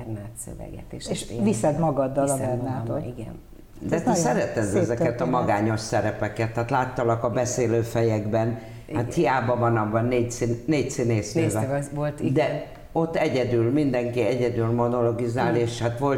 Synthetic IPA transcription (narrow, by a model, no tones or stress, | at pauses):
ɛrnaːt̪sø̰vɛ̰ɡɛ̰t̪eʃeʃʋisɛd̪mɒɡɒd̪ːɒlbɛrnaːotiɡɛ̰n | d̪ɛt̪ɛssɛɾɛt̪ɛzɛzɛkkɛt̪ɒmɒɡaːɲo̞ʃsɛɾɛpɛkɛt̪ːaːt̪laːt̪ːɒlɒkɒbɛseːløːfɛjɛɡbɛn | at̪hijaːbɒvɒnɒbːɒnːeːcsinneːcsineːsnøːvɛolt̪d̪ɛ | o̞t̪ːɛɟɛd̪ylmind̪ɛŋkiɛɟɛd̪ylmo̞no̞lo̞ɡizaːleːʃhat̪ʋo̞l